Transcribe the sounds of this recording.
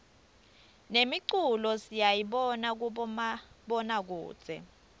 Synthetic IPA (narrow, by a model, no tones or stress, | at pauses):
nemiǀulɔsijajiɓɔnak̬u | ɓɔnak̬ṵːd̥t͡sʼɛ̰